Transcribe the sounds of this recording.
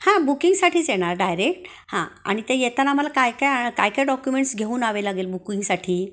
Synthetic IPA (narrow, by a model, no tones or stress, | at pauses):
hãbukiŋɡsaʈʰiːd͡zeɽ̃aɾɖajɾekʈ | hã̰a̰ɽ̃it̪ejet̪anam̤əlakajkajakajkajɖɔkjumeɳʈsɡʱeuːnaʋelaɡeːlbukiŋɡsaʈʰiː